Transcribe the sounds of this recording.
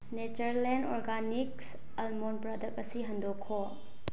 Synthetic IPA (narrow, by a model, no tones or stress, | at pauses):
net͡ʃɐɾlenɔɾɡaniks | ɐlmonpɾɐdɐk̚ɐsiɦɐndokʰːo